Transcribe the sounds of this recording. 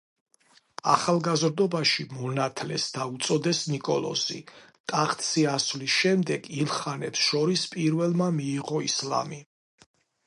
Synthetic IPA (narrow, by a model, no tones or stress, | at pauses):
aχalˠɡazɾd̪ɔbaʃimɔnat̪ʰlɛ̰sd̪aut̪sʼɔd̪ɛsnikʼɔlˠɔ̰zḭt̪ʼaχt̪ʰʼsiasvlisʃɛmd̪ɛɡilˠχanɛpsʃɔɾispʼiɾvɛlˠmamiːʁɔisla̰mi